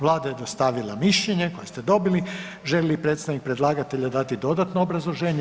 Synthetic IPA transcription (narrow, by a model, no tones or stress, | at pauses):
ʋlˠaːd̪ajed̪ost̪aʋilˠamiʃʎeɲe̞ko̞jest̪ed̪o̞bili | ʒelilipɾet̪saʋnik̚pɾe̞d̪lˠaːɡat̪eʎad̪at̪id̪o̞d̪at̪noobɾazlˠoʒeːɲe